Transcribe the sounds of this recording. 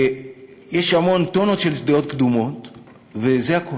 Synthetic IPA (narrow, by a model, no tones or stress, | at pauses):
jeʃhamo̞nt̪ono̞tʃelsd̪eo̞t̪̚kd̪umo̞t̪ | vezeako